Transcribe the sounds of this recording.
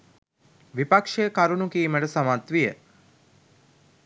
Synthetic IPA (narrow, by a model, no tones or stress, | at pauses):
ʋipakʂejəkaɾunukiːməʈəsamat̪ʋijə